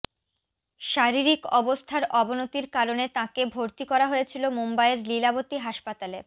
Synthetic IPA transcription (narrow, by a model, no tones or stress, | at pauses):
ʃaɾiɾikɔbost̪ʰaɾɔbonot̪iɾkaɾonet̪ãkebʱoɾt̪ikɔɾaɦojet͡ɕʰilomombaeɾlilabot̪iɦaʃpat̪ale